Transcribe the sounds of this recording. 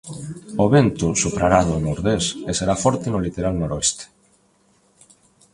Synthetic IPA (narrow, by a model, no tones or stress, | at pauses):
oβent̪usupɾaɾaðoenoɾðeseseɾafɔɾt̪enolit̪eɾalnoɾoest̪e̥